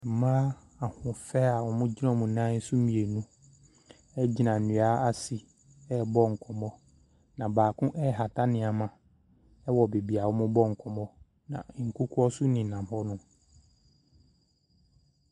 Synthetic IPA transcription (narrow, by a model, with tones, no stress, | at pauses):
m̩˨mãː˦ | a˨hʊ̃˨fɛ˦a˨wɔ˨mʊ̃˦d͡ʑi˦nɔ̃˦mʊ̃˨nã˦n̩˦sʊ˦mĩ˨e˨nũ˦ | ɛ˦d͡ʑi˦˨nã˨n̩˨ũ˨a˦a˦si˨ | ɛ˦˨bɔ˦ŋ̩˨kʰɔ˨mɔ˦ | nã˨baː˨kʰʊ̃˦ʔɛ˦˨ɦa˨tʰa˦nɪ̃˨a˨mã˨ | ɛ˦wɔ˨be˨bi˨a˨wɔ˦mʊ̃˦bɔ˦ŋ̩˨kʰɔ˨mɔ˦ | nã̰˨ŋ̩˨kʰu˦kʰɔ˦sʊ˦nɪ̃˨n̩nã˨m˨hɔ˦nʊ̃˦